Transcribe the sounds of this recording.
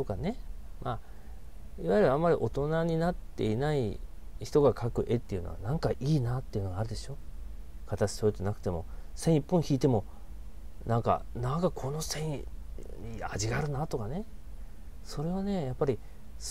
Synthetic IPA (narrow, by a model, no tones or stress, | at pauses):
t̪o̞kane̞mʔa | iβaiɾɯãmːaɾʲiʔo̞t̪o̞naɲ̟inat̪ːe̞̰inaiçi̥t̪o̞ɡakʰakɯ̟ʔe̞t̪ːe̞iɯ̟no̰βa̰nãŋkaʔiːnat̪ːe̞iɯ̟noɡaːɾɯ̟d̪e̞ɕo̞ː | kat̪at͡ɕi̥soːit̪enakɯ̟̥t̪e̞mo̞̰sẽ̞ɰ̃ipːõ̞ɰ̃çiːt̪e̞mo̞ | nãŋka̰nãŋkakʰo̞no̞sẽ̞ɰ̃ɲia̰ʑiɡaːɾɯ̟nat̪o̞kane̞ | so̞ɾe̞βane̞japːaɾʲi | s